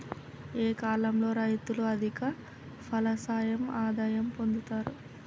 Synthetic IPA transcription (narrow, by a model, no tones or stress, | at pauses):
eːkaːlɐmlo̞ːɾɐjt̪uluɐd̪ʱikɐ | pʰɐlɐsaːjɐmaːd̪aːjɐmpo̞nd̪ut̪aːɾu